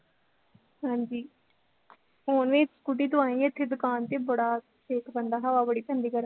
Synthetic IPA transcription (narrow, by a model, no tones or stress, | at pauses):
ɦãːɲd͡ʒiː | foːnʋẽːskuʈiːt̪ʊãːĩːɪt̪ʰːeːd̪ʊkaːnt̪eːbəɽaː | ʈʰeːkbənd̪aːɦaʋaːbəɽiːp̪ʰənd̪iːkəɾ